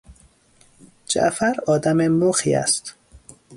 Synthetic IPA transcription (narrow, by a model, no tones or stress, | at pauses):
d͡ʒæ̰ʔfæɾɒːd̪æmemoxḭːæ̰st̪